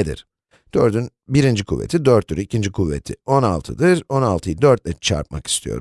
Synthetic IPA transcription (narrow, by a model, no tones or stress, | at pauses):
ed̪ḭɾ̥ | d̪̥øɾd̪yn | biɾind͡ʒikʰuvːe̞̰t̪ʰid̪øɾt̪ːyɾicʰind͡ʒikʰuvːe̞̰t̪ʰio̞na̰lˠt̪ʰɯd̪ɯɾo̞nalˠt̪ʰɯjɯd̪øɾt̪̚lʲɛt͡ʃʰa̰ɾp̚ma̰ki̥st̪ʰijo̞̰ɾ